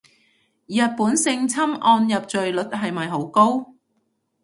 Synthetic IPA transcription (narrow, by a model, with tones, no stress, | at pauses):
jɐ˨t̚puː˨˥nsɪ˧ŋt͡sʰɐ˥mʔɔː˧njɐ˨p̚t͡ʃɵ˨ɥlɵ˨˥t̚ɦɐ˨jmɐ˨jɦo˨˥wko˥w